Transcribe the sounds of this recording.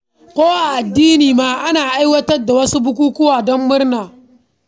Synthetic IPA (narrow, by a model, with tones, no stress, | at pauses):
kʷoː˦ʔa˨ʔa˨dːiː˦niː˨maː˦ʔa˦naː˨ʔa˦jwɐ˦tɐ˦rda˨wɐ˦su˦bʊ˦k̬uː˦kʊ˦waː˨dɔ˦mːʊ˦rnaː˨